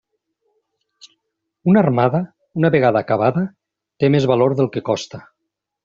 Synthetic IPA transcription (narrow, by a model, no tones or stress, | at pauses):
unarmaða | unaβeɣ̞aðakaβaða | t̪emezβaloɾðelˠkekɔst̪a